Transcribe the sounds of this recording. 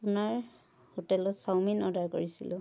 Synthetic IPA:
apʊnaɹ | hotɛlɔtsawminɔdaɹkoɹisḭlʊ̃

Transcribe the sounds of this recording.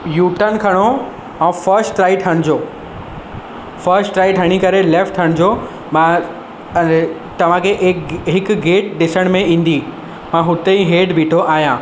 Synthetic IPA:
juːʈənkʰɐɽ̃o | ɛ̃ːfəɾsʈɾaːiʈʰɐɽ̃d͡ʑoː | fɐɾsʈʈɾaːiʈʰɐɽ̃ikɐɾeleːfʈʰɐɽ̃d͡ʑo | mã | t̪ɐʋ̤ãkʰeʔekɦɪkɡeːʈ̚ɗɪsəɽ̃mẽĩːn̆d̪i | mãɦʊt̪eĩɦeːɖbʱiːʈʰoʔaːɦijãː

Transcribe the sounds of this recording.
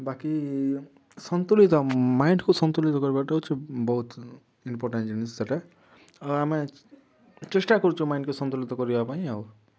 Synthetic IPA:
baki | sʌnt̪ulit̪ɔmaiɳɖkosʌnt̪ulit̪ɔkɔɾbaʈaut͡ʃʰibɔɦut̪ | impoɾʈẽnd͡ʒinisd͡zaʈa | ame | t͡ʃesʈakɔɾut͡ʃʰũmajĩɳɖkosʌnt̪ulit̪ɔkɔɾibapaĩaw

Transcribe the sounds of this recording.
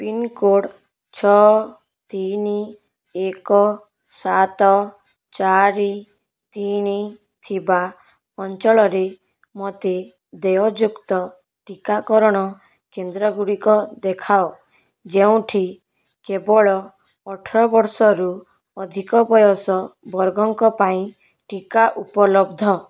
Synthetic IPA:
pinkoɽ | t͡ʃʰɔ | t̪ini | ekɔ | sat̪ɔ | t͡ʃaɾi | t̪ini | t̪ʰiba | ɔnt͡ʃɔɭɔɾe | mɔt̪e | d̪eɔd͡ʒukt̪ɔ | ʈikakɔɾɔɽ̃ɔ | kend̪ɾɔɡuɽikɔd̪ekʰao | d͡ʒeũʈʰi | kebɔɭɔː | ʈʰɔɾɔbɔɾsɔɾu | ɔd̪ʱikɔbɔjɔsɔbɔɾɡɔŋkɔpaĩ | ʈikaʔupɔlɔbd̪ʱɔ

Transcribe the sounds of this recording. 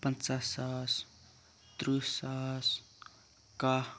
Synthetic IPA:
pant͡sasas | t̪ɾusas | ka

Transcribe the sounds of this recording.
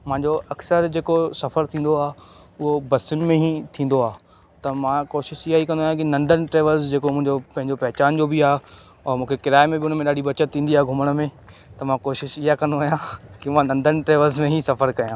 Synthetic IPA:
mãɦɲd͡ʑoʔɐksəɾd͡ʑeːkosɐfəɾt̪ʰĩːnd̪oaː | ʊɦobɐsʊnɪ̆mẽɦĩt̪ʰĩːn̆d̪oaː | t̪ɐmãkoːʃɪʃɪɦaɦikɐ̃nd̪oaːjãkɪnɐ̃nd̪ʱənɪ̆ʈɾeːʋəlzd͡ʑeːkomʊ̃ɦɪ̃ɲd͡ʑopɐ̃ɦɪ̃ɲd͡ʑopɐɦt͡ɕaːnd͡ʑoːbɪiaː | ɔːɾmũːkʰekɪɾaːemẽbɪʊn̤əmẽɗaːɽiɓɐt͡ɕət̪ʰːĩːn̆d̪iaːɦeɡʱʊməɽ̃̆mẽ | t̪ɐmãkoːʃɪʃɪɦakɐ̃nd̪oaːjãkɪmãnɐ̃nd̪ʱənɪ̆ʈɾeːʋəlzmẽɦĩsɐfəɾkɐjãː

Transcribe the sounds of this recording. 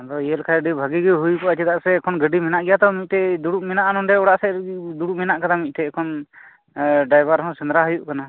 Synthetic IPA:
d̪ɔjəlkʰaɾɖibʱaɡiɡɛɦujkɔat͡ʃɛt̪aʔsɛkʰɔnɡəɖimɛnaʔɡɛjat̪ɔmit̪̚ʈɛd̪uɽuʔ̚mɛnaʔanɔnɖɛɔɽaʔsɛd̪uɽuʔmɛnaʔkat̪amit̪̚ˀʈɛːkʰɔn | ɖajbaɾɦɔ̃sɛnd̪ɾaɦujuʔkana

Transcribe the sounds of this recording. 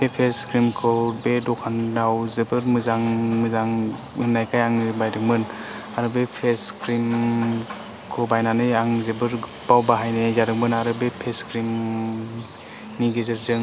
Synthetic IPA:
bepʰeskɾimkʰɯbedɔkʰandawzɯbɯɾmɯzaŋmɯzaŋ | ɯnajkʰajaŋzɯbajdɯk̚mɯn | aɾɯbepʰeskɾim | kʰɯbajnanɯjaŋzɯbɯɾ | b̥awbaɦajnezadɯk̚mɯnaɾɯbepʰeskɾim | niɡezɯɾzɯŋ

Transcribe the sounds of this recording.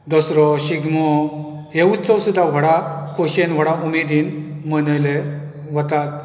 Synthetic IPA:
d̪ɔsɾɔɕiɡmɔ | ɦeut͡st͡sɔwsud̪ʱːaʋ̤əɽakʰoɕenʋəɽaumid̪in | mənəle | ʋət̪at̪̚

